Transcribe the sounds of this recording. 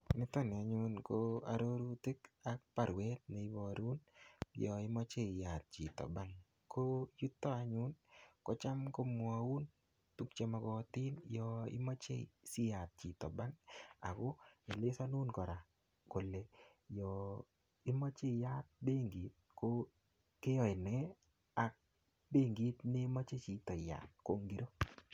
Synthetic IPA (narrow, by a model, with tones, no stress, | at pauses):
nɪ˦t̪ɔ˦nɪ˨a˨ɲʊnkoa̰˨ɾo˦ɾu˦tɪ˦kak̚pa˨ɾwɛ˦t̪̚ne˨ɪ˦bɔ˨ɾu˦njɔ˨ɪ˦mɔ˦t͡ʃe˦ɪ˨ja˨t̪̚t͡ʃi˨tɔ̰˨ba˦ŋ | kʰoju˦t̪ːɔ˦a˨ɲʊ˦nkɔ˦t͡ʃa˦mko˦mwau˦n | tu˦k̚t͡ʃe˦ma˧ɡɔ˦ti˦njɔɪ̰˦mɔ˦t͡ʃḛ˦sɪ˦ja˨t̪̚t͡ʃi˨t̪ɔ˨ba˦ŋa̰˨ko˦ɪ˨lɪ˦sa˦nu˦nkɔ˨ɾa˨ | ko˨le˨ | jɔ | ɪ˦ma˦t͡ʃe˦˨ja˦t̚be˦ŋɡi˨t̪̚ko | ke˦jɔ˨ɪ˨nɛ˦ | a˨k̚ | be˦ŋɡi˦t̪nɪ˦ma˦t͡ʃe˦t͡ʃi˨t̪ɔ˨ja̰˨tko˦ŋɡi˦ɾo˦